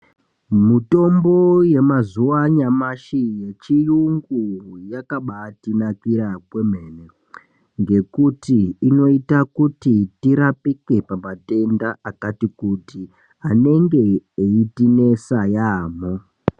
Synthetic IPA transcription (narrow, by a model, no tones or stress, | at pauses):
mito̞mbo̞je̞mazuʋaɲamaʃijet͡ʃiuŋɡujakaɓatinakiɾakwe̞mene | ŋɡe̞kutiːno̞itakutitiɾapike̞pamate̞ndaʔakatikuti | ane̞ŋɡe̞eitine̞sajaːmo